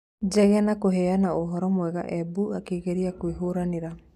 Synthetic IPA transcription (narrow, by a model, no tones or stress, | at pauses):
d͡ʒɛɣanakoɦɛanaoɦɔɾɔmwɛɣa̰ʔɛbuakeːɣeɾiakwiɦoɾaneɾa